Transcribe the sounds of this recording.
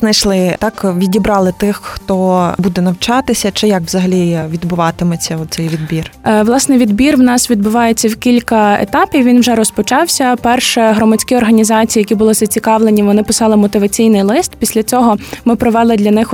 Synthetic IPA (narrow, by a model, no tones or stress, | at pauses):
znɐjʃlˠɪt̪ɑkʋʲidʲibɾɑlˠɪt̪ɪxxt̪ɔbud̪ɛnɐwt͡ʃɑt̪ɪsʲɐt͡ʃɪjɐkʋzɐɦɐlʲiʋʲid̪bʊʋɑt̪ɪmɔt͡sʲːɐɔt̪t̪sɛjʋʲid̪bʲirʋlˠɑsnɪjʋʲid̪bʲirwnɑsʋʲid̪̚bʊʋɑjet͡sʲːɐwkʲilʲkɐḛt̪ɑpʲiwʋʲinwʒɛɾɔspɔt͡ʃɑwsʲɐpɛrʃɛɦɾɔmɐt͡sʲkɪɔrɦɐnʲizɑt͡sʲijɐkʲibʊlˠɪzɐt͡sʲikɑʋlˠenʲiʋɔnɪpɪsɑlˠɪmɔt̪ɪʋɐt͡sʲijnɪjlˠɪst̪̚pʲisʲlʲɐt͡sʲɔɦɔmɪpɾɔʋɛlˠɪd̪lʲɐnɪx